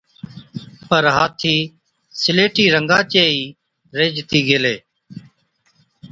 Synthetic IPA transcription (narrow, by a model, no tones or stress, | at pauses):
pəɾɦaːt̪ʰiː | sɪleːʈiːɾəŋɡaːt͡ʃeːiː | ɾeːd͡ʒt̪iːɡeːleː